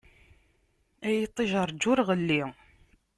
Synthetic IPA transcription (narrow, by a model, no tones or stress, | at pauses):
æjit̪ˤːeʒəɾˤd͡ʒʊɾʁəlːi